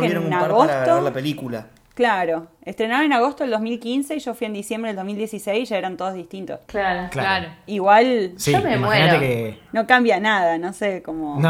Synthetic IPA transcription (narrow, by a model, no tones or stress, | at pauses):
eeɾoŋaɣost̪oɾlapelikula | klaɾo̞est̪ɾe̞naβanenaɣ̞o̞st̪oeld̪ozmilkinseiʒo̞fwie̞nd̪isjembɾld̪omild̪jesisejsiʒaeɾant̪oð̞ozðiht̪int̪osklaɾoklaoiɣwalsiomemaenat̪ekeno̞kambjanaðanosekomono